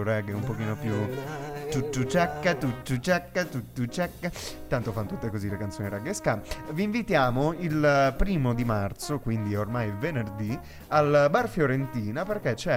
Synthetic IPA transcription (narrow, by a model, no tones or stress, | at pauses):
ɾɛɡeumpokiːnopjut̪ut̪ːut͡ʃɛkːat̪ut̪ːut͡ʃɛkːat̪ut̪ːut͡ʃɛkːt̪ːant̪ofanːot̪ut̪ːekozilekant̪soːniɾaɡeskaviːɱvit̪jaːmoilpɾiːmod̪imart̪sokwind̪iormajvenerd̪i | albarfjoɾent̪iːnaperkɛt͡ʃɛ